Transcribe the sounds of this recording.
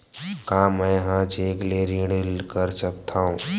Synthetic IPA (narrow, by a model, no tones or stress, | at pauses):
kaːmɛ̃jɦãt͡ʃeːkleɾĩɽlkəɾsək̚t̪ʰaːɦũː